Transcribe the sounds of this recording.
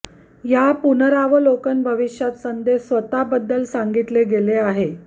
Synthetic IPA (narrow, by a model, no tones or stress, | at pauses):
japunəɾaʋəlokənbʱəʋiɕjat̪sənd̪esʋət̪abəd̪ːəlsaŋɡit̪leɡeleaɦe